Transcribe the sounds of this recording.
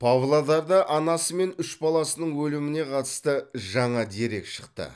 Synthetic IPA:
pʰɑvlˠad̪ɑɾd̪ɑʔɑnɑsəme̞nʏʃbɑlˠɑsənəɴwɵlɪmɪne̞qʰɑt̪ə̥st̪əʒɑɴɑd̪e̞ɾe̞kʃə̥qt̪ə̰

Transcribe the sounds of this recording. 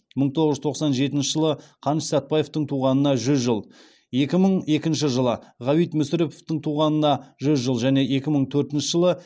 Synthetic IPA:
məɴt̪ʰoʁəʒzt̪ʰo̞qsɑnʒe̞t̪ɪnʃɪʒəlˠəqʰɑnʃsɑt̪̚pɑje̞ft̪əɴt̪ʰuʁɑnənɑʒʏzʒəlˠ | je̞kʲɪməɴe̞kʲɪnʃɪʒəlˠəʁɑwijt̪mʏsɪɾepoft̪əɴt̪ʰuʁɑnənɑʒʏzʒəlˠʒæne̞ʔe̞kʲɪməɴt̪ʰɵɾt̪ɪnʃɪʒəlˠə

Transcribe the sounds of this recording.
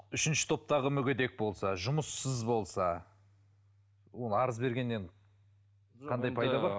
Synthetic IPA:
ʏʃɪnʃɪ̥t̪ʰo̞p̚t̪ɑʁəmʏɡʲed̪e̞k̚bo̞lˠsɑʒʊməsːəzbo̞lˠsɑ | wo̞nəɑɾəzbe̞ɾɡʲe̞nːe̞ɴ | qʰɑnd̪ɑjpʰɑjdd̪ɑbɑɾ

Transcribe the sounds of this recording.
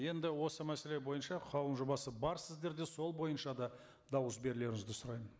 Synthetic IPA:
je̞nd̪ɪwo̞səmæse̞le̞bo̞jənʃɑqʰɑwˠənʒo̞bɑsəbɑɾsɪzd̪e̞ɾd̪e̞so̞lˠbo̞jənʃɑd̪ɑ | d̪ɑwəs̬be̞ɾle̞ɾɪŋɪzd̪ɪsʊɾɑjmən

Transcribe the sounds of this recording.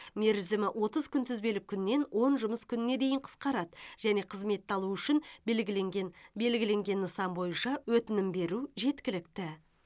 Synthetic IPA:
me̞ɾzɪmɪʔwʔo̞t̪əzkʲʰʏnt̪ɪzbelɪkʲʰʏnːe̞nwo̞nʒʊməskʲʰʏnɪne̞d̪e̞jɪɴqʰə̥sqɑɾɑd̪ʒ̥æne̞qʰəzme̞t̪ːɑlˠuʏʃɪnlɡʲɪleŋʲbe̞lɡʲɪle̞ŋɡʲe̞nːəsɑmbo̞jənʃɑwɵt̪ɪnɪmbe̞ɾuʒe̞t̪kʲɪlɪkt̪ɪ

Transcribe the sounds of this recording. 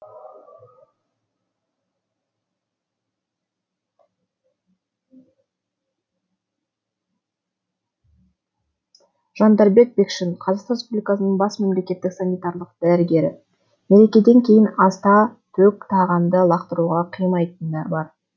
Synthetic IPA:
ʒ̥ɑnd̪ɑɾbe̞k̚be̞kʃɪnqʰɑzɑqrʲespublʲijkɑsənəɴbɑsme̞mle̞kʲe̞t̪ːɪksanijt̪ɑɾlˠəq̚d̪̥æɾɪɡʲe̞ɾɪ̰ | me̞ɾe̞kʲe̞d̪e̞ŋkʲʰe̞jɪnɑst̪ɑt̪ʰɵkt̪ʰɑʁɑnd̪əlˠɑqt̪əɾuʁɑqʰijmɑjt̪ənːæɾbɑɾ

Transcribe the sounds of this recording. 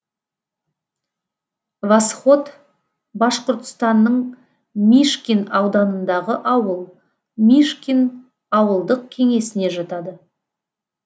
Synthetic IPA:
vɑsχo̞t̪ | bɑʃqoɾt̪ə̥st̪ɑnːəɴ | miʃkʲinɑwd̪ɑnənd̪ɑʁəʔɑwəlˠ | miʃkʲin | ɑwəlˠd̪əq̚kʲʰe̞ŋe̞sɪne̞ʒɑt̪ɑd̪ə

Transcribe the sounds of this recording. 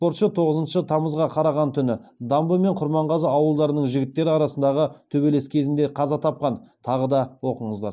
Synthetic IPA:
spo̞ɾt̪ʃət̪ʰo̞ʁəzənʃət̪ʰɑməzʁɑqʰɑɾɑʁɑnt̪ʰʏnɪd̪ɑmbəme̞ɴqʰʊɾmɑɴʁɑzəɑwəlˠd̪ɑɾənəɴʒɪɡʲɪt̪ːe̞ɾɪɑɾɑsənd̪ɑʁət̪ʰɵbe̞le̞skʲʰe̞zɪnd̪e̞qʰɑzɑt̪ʰɑp̚qɑnt̪ʰɑʁəd̪ɑwo̞qəɴəzd̪ɑɾ

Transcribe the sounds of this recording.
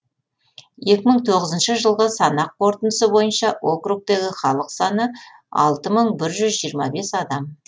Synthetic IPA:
je̞kʲɪməɴt̪ʰo̞ʁəzənʃɪʒəlˠʁəsɑnɑqqʰːo̞ɾt̪ənd̪əsəbo̞jənʃɑo̞kruk̚t̪e̞ɡʲɪχɑlˠəqsɑnə | ɑ̰lˠt̪əməɴbɪɾʒʏzʒijəɾmɑbe̞sɑd̪ɑm

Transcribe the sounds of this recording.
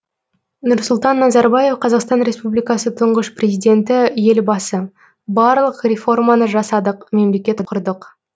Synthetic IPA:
nʊɾsʊlˠt̪ɑnːɑzɑɾbɑje̞fqʰɑzɑqst̪ɑnɾʲe̞spublijkɑsət̪ʰʊɴʁəʃprʲe̞zijd̪ʲe̞nt̪ɪje̞lbɑsə | bɑɾlˠəqrʲe̞fo̞rmɑnəʒɑsɑd̪əqme̞mle̞kʲe̞t̪qʰʊɾd̪əq

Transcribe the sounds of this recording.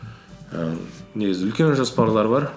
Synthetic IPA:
ə̰ne̞ɡʲɪzɪʏlkʲe̞nʒɑspɑɾlˠɑɾbɑɾ

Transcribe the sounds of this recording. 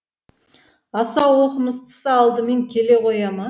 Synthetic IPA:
ɑsɑwwo̞qəməst̪ʰə̥səɑlˠd̪əme̞ŋkʲʰe̞le̞qʰo̞jɑmɑ

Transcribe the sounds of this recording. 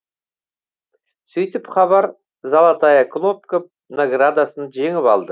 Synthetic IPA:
sɵjt̪ɪpχɑbɑɾ | zɑlˠɑt̪ɑjakʰlˠopkop̚ | naɡrad̪asənʒe̞ŋɪpɑ̰lˠd̪ə

